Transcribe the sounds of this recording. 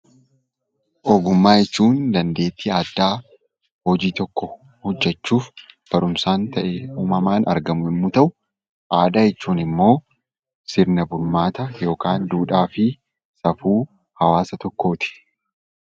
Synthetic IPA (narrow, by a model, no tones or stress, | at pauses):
ʔɔɡʊmːaːjɛt͡ʃːuːnd̪ɐnd̪e̞ːt̪ːiaːd̪ːaː | hɔd͡ʒiːt̪ɔkːɔ | hɔd͡ʒːɛt͡ʃːuːfb̥ɐɾʊmsaːnt̪ɐʔɛeuːmɐmaːnɐ̰ɾɡɐmʊɪmːut̪ɐʔʊ | ʔaːd̪aːjɛt͡ʃːuːnɪmːo̞ː | sɪɾnɐbʊɾmaːt̪ɐjo̞ːkaːnd̪uːᶑaːfɪ | sɐfuː | hɐwaːsɐt̪ɔkːo̞ːt̪ɪ̥